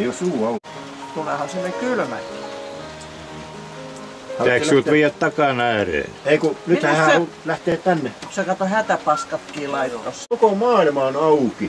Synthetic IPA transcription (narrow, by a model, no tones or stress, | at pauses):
iosuːɑukɑ | t̪ulehɑsinːekylmæ̰kḭː | hææikːssylt̪ʋiːjæt̪t̪ɑkɑnæːrḛːneikunyt̪hæhæːo | læht̪eːtt̪ænːesekɑt̪ohæt̪æpɑskɑt̪kiːlɑit̪ot̪ɑsokomɑːilmɑonɑuki